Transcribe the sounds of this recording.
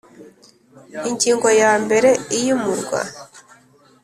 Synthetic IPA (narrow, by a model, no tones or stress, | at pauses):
iɲɟiːŋɡojaːmbe̞ɾe̞ijumuɾɡwa̰